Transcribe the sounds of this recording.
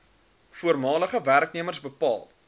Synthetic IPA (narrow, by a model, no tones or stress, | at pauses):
fuərmɑːləχəværkniəmərsbəpɑːlˠ